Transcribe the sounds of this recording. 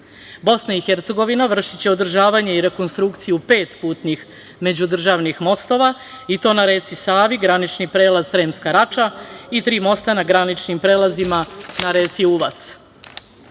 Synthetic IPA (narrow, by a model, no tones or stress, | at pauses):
bo̞snaixeɾt̪se̞ɡo̞ʋinaʋr̩ʃit͡ɕe̞od̪r̩ʒaːʋaɲeiɾe̞ko̞nst̪ɾukt̪sijupe̞ːt̪puːt̪nix | me̞d͡ʑud̪r̩ʒaːʋnixmo̞st̪o̞ʋa | it̪o̞ːnaɾe̞ːt̪sisaːʋiɡɾanit͡ʃnipɾe̞ːlaz̥ɾe̞ːmskaɾat͡ʃait̪ɾiːmo̞st̪anaɡɾanit͡ʃnimpɾeːlˠazimanaɾeːt̪siuʋat̪s